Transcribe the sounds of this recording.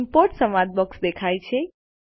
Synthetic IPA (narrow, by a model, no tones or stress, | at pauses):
mpoɾʈsəmad̪̚bəksd̪ekʰajt͡ʃʰe